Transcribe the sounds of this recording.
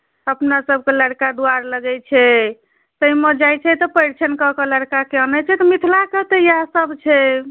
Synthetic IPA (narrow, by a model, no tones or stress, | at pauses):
əpnasəb̚keləɽkad̪uaɾləɡɛt͡ʃʰɛ | t̪əiməd͡ʒajt͡ʃʰɛt̪ɔpəjɽt͡ʃʰənkɔkɔləɽkakeənɛt͡ʃʰɛt̪ɔmit̪ʰlakət̪ejasəbt͡ʃʰɛ